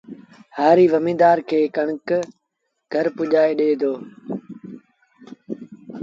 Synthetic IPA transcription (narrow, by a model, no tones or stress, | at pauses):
haːɾiːʋəmĩːd̪aːɾkʰeːkɐɳ̃ək | ɡʱəɾpʊʄaːeɗeːd̪oː